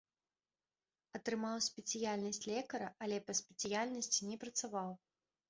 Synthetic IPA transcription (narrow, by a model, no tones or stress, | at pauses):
ɐt̪ɾɨmawsʲpʲɛt̪sɨjalʲnɐsʲt͡sʲlʲɛkɐɾɐʔɐlʲɛpɐsʲpʲɛt̪sɨjalʲnɐsʲt͡sʲinʲɛpɾɐt̪savaw